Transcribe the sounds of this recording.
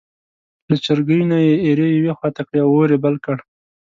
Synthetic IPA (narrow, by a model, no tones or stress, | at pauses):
lat͡ʃaɾɡəjnajeeɾejawexwɑt̪akɽeawoɾebalkəɽ